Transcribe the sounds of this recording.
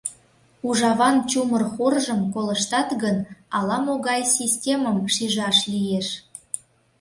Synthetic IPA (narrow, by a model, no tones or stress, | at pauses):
uʒɑβɑnt͡ɕumərxorʒəmkoləʃt̪ɑt̪ɣənɑlɑmoɣɑjsʲisʲtʲeməmʃiʒɑʃlijeʃ